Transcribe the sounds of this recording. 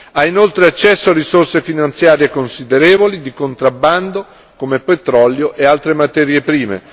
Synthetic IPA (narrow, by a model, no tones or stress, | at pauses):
ainolt̪ɾeat͡ʃːɛsːoarisorsefinant̪sjaːɾjekonsid̪eɾɛːvolid̪ikont̪ɾabːand̪o | komepet̪ɾɔljoʔealt̪ɾemat̪ɛɾjepɾiːmḛ